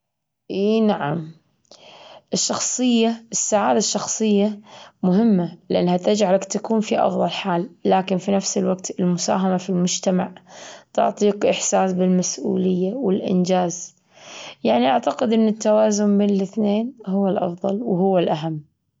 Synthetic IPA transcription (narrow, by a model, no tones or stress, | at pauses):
ʔeːnaʕa̰m | ʔɪʃːɑxsˤɨjːaʔɪsːaʕaːd̪aʃːɑxsˤɨjːamʊɦɪmːalɪʔanːhat̪ad͡ʒʕalakt̪akuːnfiʔɑ̰fðˤɑlħaːlːaːkɪnfinafsɪlwaɡt̪ɪlmʊsa̰ːɦamafilmʊd͡ʒt̪amaʕt̪ʊ̰ʕt̪ˤiːqʔɪħsaːsbɪlmasʔṵːlɪjːawɪlʔɪ̰nd͡ʒaːz | jaʕniʔaʕt̪aqɪd̪ʔɪnːɪt̪ːawaːzʊmbeːnlɪθneːnhʊwːalʔɑ̰fðˤɑlwɦʊwːalʔaɦamː